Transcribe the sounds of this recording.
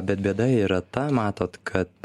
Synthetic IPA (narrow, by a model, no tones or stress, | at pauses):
bʲɛt̪bʲeɛd̪ɐiːɾɐt̪ɐmɑːt̪oːt̪kʰɐt̪